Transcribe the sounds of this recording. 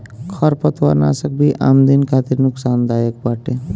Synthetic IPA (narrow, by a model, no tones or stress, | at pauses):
kʰɔɾpət̪wa̰ɾna̰sək̚bʱiʔa̰ːmd̪inkʰaːt̪iɾnʊksaːnd̪ajək̚baʈe